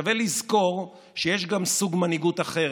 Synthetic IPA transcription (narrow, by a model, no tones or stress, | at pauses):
avelizko̞ʁ | ʃejeʃɡamsuɡmaniɡut̪aχe̞